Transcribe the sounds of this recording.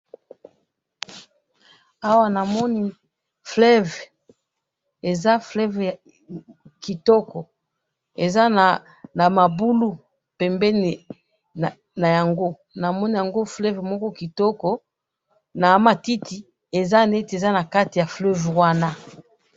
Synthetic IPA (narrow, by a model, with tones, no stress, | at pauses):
a˦wa˦na˨mɔ˦ni˦ | flɛ˦v | e˨za˦flɛ˦v | ki˨tɔ˦kɔ˨ | e˨za˦na˨ | na˨ma˨bu˦lu˦ | pɛ˨mbɛ˦n˨ | na˨ja˨ŋɡo˦ | na˨mɔ˦ni˦ja˨ŋɡo˦flɛ˦vmɔ˦kɔ˦ki˨tɔ˦kɔ˦ | na˨˦ma˨ti˦ti˨ | e˨za˦ne˦ti˨e˨za˦na˨ka˦ti˨ja˨flø˦vwa˦na˦